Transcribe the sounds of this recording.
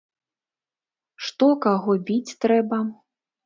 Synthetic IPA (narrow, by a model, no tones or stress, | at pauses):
ʂt̪ɔkaɣɔbʲit͡sʲt̪ɾɛbɐ